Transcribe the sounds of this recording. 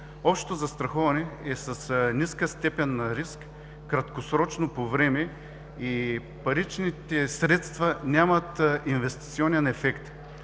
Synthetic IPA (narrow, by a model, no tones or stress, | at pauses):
ɔpʃt̪o̥t̪ozɐst̪ɾɐxɔvɐnɛɛsɐsnʲiskəst̪ɛpɛnːɐɾiskː | ɾɐt̪kosɾɔt͡ʃnopovɾɛmɛ | i | pɐɾit͡ʃnit̪ɛsɾɛt̪st̪vɐnʲamɐt̪invɛst̪it̪siɔnɛnɛfɛkt̪